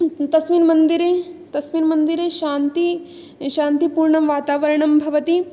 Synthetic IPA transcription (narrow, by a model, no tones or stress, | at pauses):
t̪ɐsʋinmɐnd̪iɾeːt̪ɐsminmɐnd̪iɾeːʃaːnt̪i | ʃaːnt̪ipuːɾɳɐmʋaːt̪aːʋɐɾɐɳɐmbʱɐʋɐt̪i